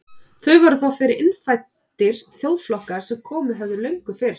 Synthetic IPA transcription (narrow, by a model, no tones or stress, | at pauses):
θœɥvaɾθawfɪɾɪɾɪnfajt̪ɪɾ̥θjowðflɔhkaɾ̥sɛmkʰɔːmʏɦœvðʏlœɥŋkʏfɪɾ̥